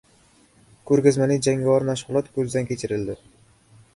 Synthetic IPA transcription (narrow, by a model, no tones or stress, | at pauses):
kʰɵɾɡʲazmanɪd͡ʒaŋɡʲavaɾmaʃʁɨlˠɒt̪kʰɵzɪd̪ankʲʰe̞t͡ʃʰɪɾɪld̪ɪ